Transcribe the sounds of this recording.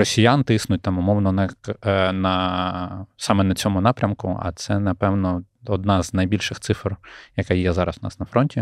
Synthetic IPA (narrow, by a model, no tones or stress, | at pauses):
rɔsʲijant̪ɪsnʊt̚ʲt̪ɑmʊmɔwnɔnɐnɐ | sɑmɛnɐt͡sʲɔmʊnɑpɾʲɐmkʊ̰ɐ̰t̪sɛnɐpɛwnɔ | ɔd̪̚nɑznɐjbʲilʲʃɪxt̪sɪfrjɐkɑjjɛzɑɾɐsnɑ̰snɐfɾɔnʲtʲi